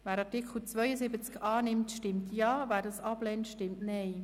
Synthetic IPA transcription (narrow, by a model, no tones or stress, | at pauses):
væːɾɑtɪkχl̩t͡svœjəzɪbət͡skɑːnɪmtʃtɪmtjɑːvæːɾdɑsɑblɛntʃtɪmtnɛɪ